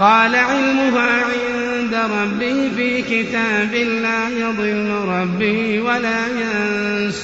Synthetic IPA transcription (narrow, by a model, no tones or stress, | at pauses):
qɑːlaʕɪlmʊɦaʕɪn | d̪aɾˤɑbːɪːfiːkɪt̪aːbɪlaːjɑðˤɨlːʊɾˤɑbːɪ | walaːjan | s